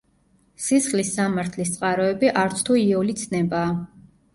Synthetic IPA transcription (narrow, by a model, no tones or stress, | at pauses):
sisχlisamaɾt̪ʰlis̬t̪sʼqʼaɾɔɛbiʔaɾt̪sʰt̪ʰuiɔlit̪sʰnɛbaː